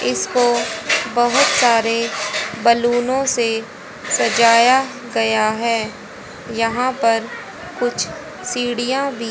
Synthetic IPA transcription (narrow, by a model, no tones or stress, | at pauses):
ɪskobɐɦʊt̪saːɾebɐluːnõse | sɐd͡ʒaːja | ɡɐjaɦɛː | jɐɦãpɐɾ | kʊt͡ʃʰ | siːɽijãbʱiː